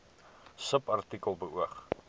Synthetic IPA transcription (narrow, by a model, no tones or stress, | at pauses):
səpɐrtikəlˠbəuəχ